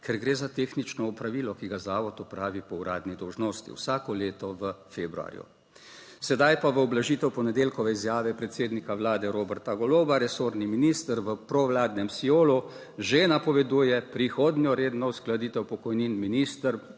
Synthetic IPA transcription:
kʰɛɾɡɾeːzat̪eːxnit͡ʃnɔupɾaʋiːlɔkiɡazaːʋɔt̪ɔpɾaːʋipɔuɾaːd̪nid̪ɔwʒnoːst̪ḭwsaːkɔleːt̪ɔʋəfeːbɾua̰ːɾjṵ | sɛd̪ajpaʋəɔblaʒiːt̪ɛwpɔnɛd̪eːlkɔʋɛizjaːʋɛpɾɛt̪seːd̪nikaʋlaːd̪ɛɾoːbɛɾt̪aɡɔloːbaɾɛsoːɾniminiːst̪əɾʋəpɾɔʋlaːd̪nɛmsioːlu | ʒenapɔʋɛd̪uːjɛpɾixoːd̪njɔɾeːd̪nɔusklad̪it̪ɛwpɔkɔjniːnminiːst̪əɾ

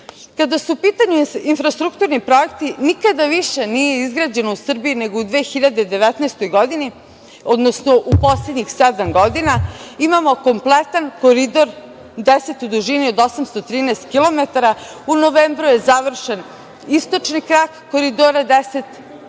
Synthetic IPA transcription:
kad̪asuupiːt̪aɲuinfɾast̪ɾukt̪uːɾnipɾo̞jekt̪inikad̪aʋiʃe̞nije̞izɡɾad͡ʑe̞nousr̩biine̞ɡoud̪ʋeːxiʎad̪ed̪e̞ʋɛt̪naest̪ojɡo̞d̪ini | od̪nosnoʔupo̞sled̪ɲixsɛd̪amɡo̞d̪inaimamo̞ko̞mplet̪ankoɾid̪o̞ɾ | d̪eset̪ud̪uʒiniod̪osamst̪ot̪ɾiːnɛːst̪kilˠo̞met̪aɾa | unoʋembɾuje̞zaʋr̩ʃen | ist̪o̞t͡ʃnikɾakkoɾid̪oɾad̪eset̪

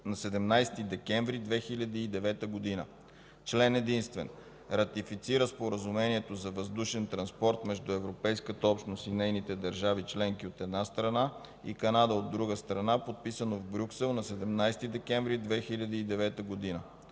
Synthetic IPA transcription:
nɐsɛd̪ɛmnajst̪id̪ɛkɛɱvɾid̪vɛxilʲɐd̪iːd̪ɛvɛt̪əɡod̪inə̰ | t͡ʃlɛnɛd̪inst̪vɛ̰n | ɾɐt̪ifit̪siɾəspoɾəzumɛniɛt̪ozɐvɐzd̪uʃɛnt̪ɾɐnspɔɾt̪mɛʒd̪uɛvɾopɛjskət̪əɔpʃnost̪inɛjnit̪ɛd̪ɐɾʒavit͡ʃlɛŋk̟iot̪ɛd̪nast̪ɾɐna | ḭkɐnad̪əod̪ːɾuɡəst̪ɾɐnapot̪̚pisənovbɾʲuksɛlˠnɐsɛd̪ɛmnajst̪id̪ɛkɛɱvɾid̪vɛxilʲɐd̪iːd̪ɛvɛt̪əɡod̪inə

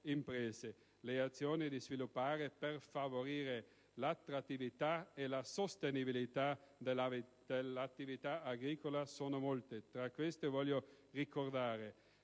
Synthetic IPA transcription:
impɾɛːze | leat̪sːjoːnid̪izvilupːaːɾeperfavoɾiːɾe | lat̪ːɾat̪ːivit̪aelasost̪enibilit̪ad̪ | d̪̥elat̪ːivit̪aːɡɾiːkolasoːnomolt̪et̪ɾakwest̪evɔljo | rikord̪aːɾe

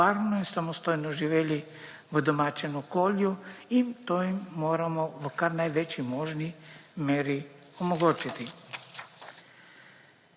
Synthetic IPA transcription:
aɾmnoisamost̪ojnoʒiʋeli | ʋəd̪omat͡ʃɛnukoljuimt̪ojimːoːɾamoʋəkaɾnajʋet͡ʃimoʒnimeːɾi | omoɡot͡ʃit̪i

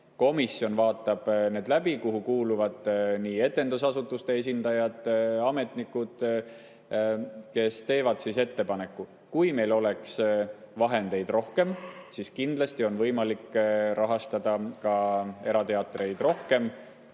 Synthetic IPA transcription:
ko̞misjo̞nvɑːt̪ːˑɑb̥ne̞ːd̪̥læb̥ikuɦukuːluvɑd̪̥niːe̞t̪ːˑe̞nd̪usɑsut̪ːˑust̪e̞es̬ʲind̪̥ɑjɑd̪̥ɑme̞t̪ˑnikːˑud̪̥ | ke̞st̪e̞ːvɑd̪̥sise̞t̪ːe̞pɑne̞kːu | kujme̞jlo̞le̞ks | vɑɦe̞nd̪̥e̞jd̪̥ro̞hke̞msiskind̪̥lɑsʲt̪io̞nvɤ̞jmɑlikːɾʔɑɦɑst̪ɑd̪̥ɑkɑe̞ɾɑt̪e̞ɑt̪ːˑre̞jd̪̥ro̞hke̞m

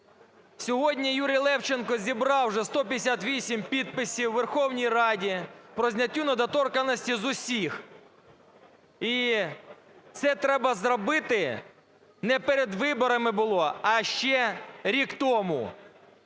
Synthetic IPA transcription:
sʲɔɦɔdʲnʲijuɾʲijlˠɛwt͡ʃenkɔzʲibɾɑwʒɛst̪ɔpʲjesʲat̪ʋʲisʲimpʲid̪̚pɪsʲiwːerxɔwnʲijrɑdʲipɾɔzʲnʲɐtʲːunɐd̪ɐt̪ɔrkɐnɔsʲtʲizʊsʲix | i | t̪sɛt̪ɾɛbɐzɾɔbɪt̪ɪ | nɛpeɾed̪ʋɪbɔɾɐmɪbʊlˠɔɐʃt͡ʃɛɾʲikt̪ɔmʊ̰

